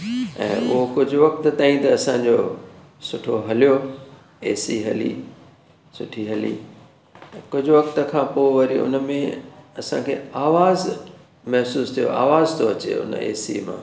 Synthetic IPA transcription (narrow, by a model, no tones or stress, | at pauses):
ɛ̰̃ːʔʊɦokʊd͡ʑʱʊ̆ʋɐk̚t̪t̪aːĩt̪ɐːsãɲd͡ʑo | sʊʈʰoɦɐlijo | eːsiɦɐlḭ | sʊʈʰiɦɐlḭ̃ | kʊd͡ʑʱʊʋɐkt̪ə̆kʰãːpoːʋɐɾiʊ̰nəmẽɐsã̰kʰeːaːʋaːz | mɐɦsuːst̪ʰijo̰ʔa̰ːʋaːzt̪ʰoɐt͡ɕḛʊ̰n̰ḛːsḭmã̰ː